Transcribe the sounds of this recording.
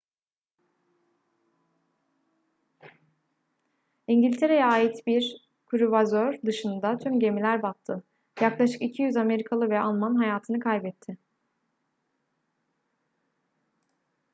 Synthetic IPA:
iɲɟilʲt̪ʰe̞ɾe̞jɛaːjit̪biɾ | kʰuɾuvazøɾd̪ɯʃɯnd̪at̪ʰymɟe̞milʲæɾbat̚t̪ʰːɯ | jaklˠaʃɯ̥kicʰijyzame̞ɾikʰalˠɯvɛalˠmanɦajaːt̪ʰɯnɯkʰajbɛt̪ʰːɪ

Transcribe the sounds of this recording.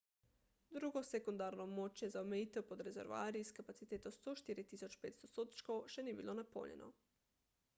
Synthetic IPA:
d̪ɾuːɡɔsɛkund̪aːɾnɔbmot͡ʃjɛzaomɛjiːt̪ɛwpɔd̪ɾɛzɛ̰ɾʋa̰ːɾiskapat̪sit̪eːt̪ost̪oʃt̪iːɾit̪isɔt͡ʃpeːt̪st̪osoːt̪t͡ʃkowʃɛnibilonapo̰ljɛ̰nʔɔ̰

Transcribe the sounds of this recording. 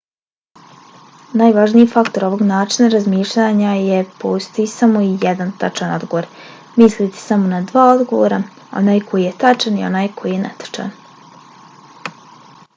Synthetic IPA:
najʋaʒnijifakt̪o̞ɾo̞ʋo̞ɡnaːt͡ʃinaɾazmiːʃʎʲaɲajepoust̪aisamo̞ijed̪ant̪at͡ʃano̞d̪ɡoʋoɾ | mislit̪e̥samo̞nad̪ʋaːo̞d̪ɡo̞ʋo̰ɾa | o̞̰naːjko̞jije̞t̪at͡ʃanio̞̰naːjkʰo̞jijenet̪ḁt͡ʃa̰n

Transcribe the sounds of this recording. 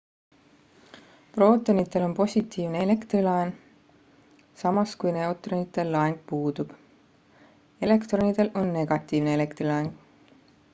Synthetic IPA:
pro̞ːt̪ˑonit̪ːˑe̞lo̞npo̞sʲit̪ːˑiːvneele̞kt̪rilɑen | sɑmɑskujne̞wt̪ˑronit̪ːˑe̞lːɑeŋɡ̥̚puːd̪̥ub̥ | e̞le̞kt̪ro̞nid̪̥e̞lʔo̞nːe̞ɡ̥ɑt̪ːˑiːvneele̞kt̪rilɑeŋɡ̥

